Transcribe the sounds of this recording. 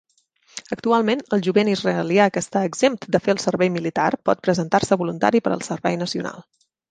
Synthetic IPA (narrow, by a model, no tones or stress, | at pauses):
ək̚t̪ualˠmenəlˠʒuβenizrəliakəst̪aəɡzemt̪d̪əfeəlˠsəɾβɛjmilit̪arpɔt̪̚pɾəzənt̪arsəβulunt̪a̰ɾipəɾə̰lˠsəɾβɛjnəsiuna̰lˠ